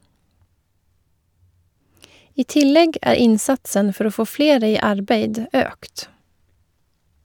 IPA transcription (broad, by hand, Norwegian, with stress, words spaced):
ˈiː ˈtɪˌlɛɡ ˈæːɾ ˈɪnˌsɑtsən ˈfɔɾ ˈoː ˈfoː ˈfleːɾə ˈiː ˈɑɾˌbeɪd ˈøːkt